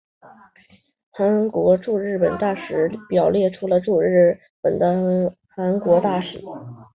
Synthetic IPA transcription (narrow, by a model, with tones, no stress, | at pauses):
xa˧˥ŋkwɔ˧˥ʈ͡ʂu˥˧ɻɻ̩˥˩pə˨˩nt̪a˥˩ʂɻ̩˧˥pjɑ˨˩ʊljɛ˥˩ʈ͡ʂʰu˧˥lə˧ʈ͡ʂu˥˧ɻɻ̩˥˩ | pə˨˩nd̪ə˦ | xa˧˥nkwɔ˧˥t̪a˥˩ʂɻ̩˨˩˦